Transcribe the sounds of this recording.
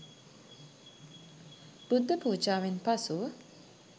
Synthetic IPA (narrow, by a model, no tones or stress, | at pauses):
b̥ud̪ːəpuːd͡ʒaːʋenpasuə